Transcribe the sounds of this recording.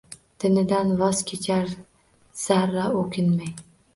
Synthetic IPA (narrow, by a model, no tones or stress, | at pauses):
d̪̥ɪnɪd̪anvɒz̥kʲʰet͡ʃʰaɾ | saɾːaokʰʲɪnmaj